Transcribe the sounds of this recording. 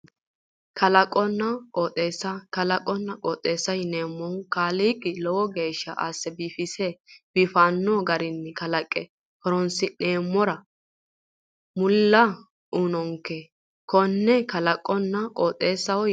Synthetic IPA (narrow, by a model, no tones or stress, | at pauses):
kʰɐlɐkʼːɔnːɐkʼɔːt̪ʼːeːsːɐkɐlɐkʼːɔnːɐkʼɔːt̪ʼːe̞ːsːɐjneːmːɔŋkaːliːkʼːɪlɔwɔɡe̞ːʃːɐ̰ʔa̰sːɛbiːfɪsɛb̥ɪfaːnːoːɡɐɾɪnːɛkɐlɐkʼːɛ | kɔɾɔnsɪne̞ːmːɔɾɐ | mʊlːɐ | ʔunɔŋke | kɔnːɛkɐlɐkʼːɔnːɐkʼoːt̪ʼːe̞ːsːɐwɔ